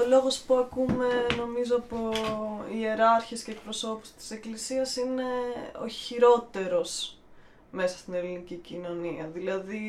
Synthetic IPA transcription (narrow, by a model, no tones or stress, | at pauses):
olo̞ɣo̞spuɐkume̞no̞mizoɐpoie̞ɾɐɾçesce̞ːk̚pɾo̞so̞pu̥st̪i̥se̞klisiɐsine̞o̞̰çiɾo̞t̪e̞ɾo̞s | me̞sɐ̥st̪ine̞linicicino̞niɐðilɐði